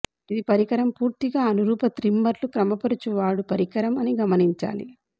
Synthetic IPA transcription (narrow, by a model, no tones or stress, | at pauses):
id̪ipɐɾikɐɾɐmpuːɾt̪iɡaːɐnuɾuːpɐt̪ɾimbɐɾlukɾɐmɐpɐɾut͡ʃuʋaːɽupɐɾikɐɾɐmɐniɡɐmɐniɲt͡ʃa̰ːlḭ